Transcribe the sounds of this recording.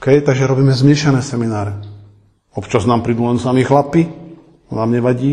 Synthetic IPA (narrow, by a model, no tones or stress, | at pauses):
kɛjt̪aɡʒɛɾɔbiːmɛzmɪɛʃanɛːsɛminaːɾɛ | ɔpt͡ʃaznaːmpɾid̪ulɛnsamixlapi | ɔnaːmɲɛʋaɟiː